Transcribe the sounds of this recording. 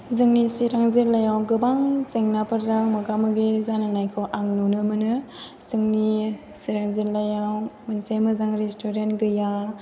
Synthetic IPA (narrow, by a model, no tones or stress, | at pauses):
zɯŋnisiɾaŋzeɾlajawɡɯbaŋseŋnapʰɐɾzaŋmɐɡamɯɡezananajkʰɯwʔaŋnunɯmɯnɯ | zɯŋni | siɾaŋziɾlajawmansemɯzaŋɾestoɾenɡɯja